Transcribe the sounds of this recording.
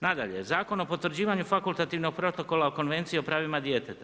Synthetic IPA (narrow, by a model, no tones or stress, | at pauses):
nad̪a̰ʎe̞̰zaːko̞no̞po̞t̪ʋr̩d͡ʑiːʋaɲufakulˠt̪at̪iːʋno̞ɡ̚pɾo̞t̪o̞ko̞lˠaoko̞nʋe̞nt̪sio̞pɾaːʋimad̪je̞t̪et̪a